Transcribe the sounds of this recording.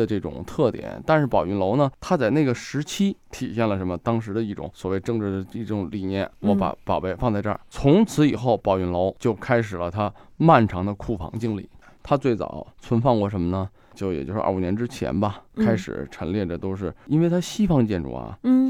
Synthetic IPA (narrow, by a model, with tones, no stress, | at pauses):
ə˧ʈ͡ʂɤ˥˩ʈ͡ʂʊ̰˨˩˦ŋt̪ʰɤ˥˩t̪jɛ̰˨˩˦nt̪a˥˧nʂɻ̩˥˩pɑ˨˩ʊy˧˥nlo˧˥ʊnə˨t̪ʰa˥t͡sa˥˩ɪne˥˩ɡə˩ʂɻ̩˧˥t͡ɕʰi˥t̪ʰi˨˩ɕjɛ˥˩nlə˩ʂə˧˥nmə˧t̪ɑ˥ŋʂ̬ɻ̩˧˥d̪ə˧i˥˩ʈ͡ʂʊ̰˧˩˥ŋswɔ˨˩we˥˧ɪʈ͡ʂɤ˥˧ŋʈ͡ʂɻ̩˥˩d̪ə˩i˥˩ʈ͡ʂʊ˧˥ŋli˨˩njɛ̰˥˩nwɔ˧˥pa̰˧˥pɑ̰˨˩ʊpe˥˧ɪfɑ˥˧ŋt͡sa˥˧ɪʈ͡ʂə̰˞˥˩t͡sʰʊ˧˥ŋt͡sʰɹ̩˧˥i˨˩xo˥˩ʊpɑ˨˩ʊy˧˥nlo˧˥ʊt͡ɕjo˥˩ʊkʰa˥ɪʂɻ̩˨˩lə˦t̪ʰa˥ma˥˩nʈ͡ʂʰɑ˧˥ŋd̪ə˧kʰu˥˩fɑ̰˧˥ŋt͡ɕi˥˧ŋlḭ˥˩t̪ʰa˥t͡swe˥˩ɪt͡sɑ̰˨˩˦ʊt͡sʰwə˧˥nfɑ˥˧ŋkwɔ˥˩ʂ̬ə˧˥mə˧nə˩ | t͡ɕjo˥˩ʊjɛ̰˨˩t͡ɕjo˥˧ʊʂɻ̩̰˥˧ʔu˨˩njɛ˧˥nʈ͡ʂɻ̩˥t͡ɕʰjɛ̰˧˥nbɐ˧kʰa˥ɪʂɻ̩̰˨˩ʈ͡ʂʰə˧˥ŋljɛ˥˩də˩t̪o˥ʊʂ̬ɻ̩˥˩i˥nwe˥˩ɪt̪ʰa˥ɕi˥fɑ˥˧ŋt͡ɕjɛ˥˧nʈ͡ʂṵ˥˩ɐ̰˩